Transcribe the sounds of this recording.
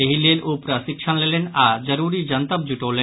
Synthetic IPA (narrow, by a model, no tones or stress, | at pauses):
eɦileɾopɾasikʃʰanlelenad͡ʑəɾuɾid͡ʑənt̪əp̚d͡ʑuʈole